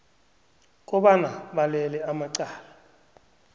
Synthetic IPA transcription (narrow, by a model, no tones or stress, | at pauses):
k̬ʼɔɓanaɓalɛlɛamaǀaːla